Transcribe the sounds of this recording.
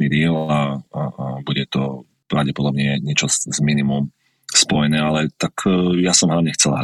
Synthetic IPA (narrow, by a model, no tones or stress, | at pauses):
id̪ɪɛla | buɟɛt̪ɔ | pɾaʊɟɛpɔd̪ɔbɲɛɲɪɛt͡ʃɔzminimum | spɔjɛnɛːalɛt̪akʰjasɔmɦlaʊɲɛxt͡sɛla̰ɦɾ